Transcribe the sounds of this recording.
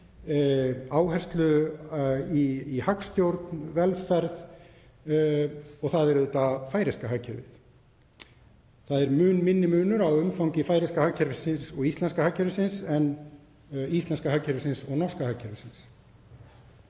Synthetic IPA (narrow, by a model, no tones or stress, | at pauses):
aːwhɛr̥st̪lʏ | iːhakst̪jowɾt̪nvɛlfɛɾð | ɔɣθaðɛɾʏːt̪afaːjɾɪskaɦacʰɛɾvɪ̰θ | θaðɛɾmʏːnmɪnːɪmʏːnʏɾawʏmfawɲcɪfaːjɾɪskahacʰːɛɾvɪsɪnsɔɣist̪lɛnskahacːɛɾvɪsɪnsɛn | ist̪lɛnskahacʰːɛɾvɪsɪnsɔɣnɔrskahacʰːɛɾvɪsɪns